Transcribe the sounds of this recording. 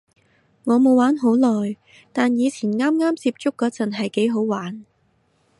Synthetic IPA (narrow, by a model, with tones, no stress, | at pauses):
ŋɔː˨˧mo˨˧waː˨˥nɦo˨˥wlɔː˨j | t̪aː˨njiː˨˧t͡sʰiː˨˩nŋaː˥mŋaː˥mt͡siː˧p̚t͡sʊ˥kːɔː˨˥t͡sɐ˨˩nɦɐ˨jke˨˥jɦo˨˥wwaː˨˥n